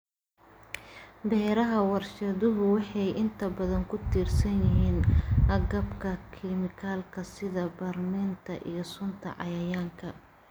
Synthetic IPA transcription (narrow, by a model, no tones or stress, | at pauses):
bɛːɾɐɦɐwɑrʃɐðʊɦʊwɑħɑjɪnt̪ʰɐbɐðɐŋkʰʊt̪ʰiːrsɐnjɪɦiːnʔɐɡɐbkʰɐkʰɪmɪkʰaːlkʰɐsɪðɐbɐrmɛːnt̪ʰɐʔḭjɞsʊnt̪ʰɐ̰ʕɑ̰jɐjaːŋkʰɐ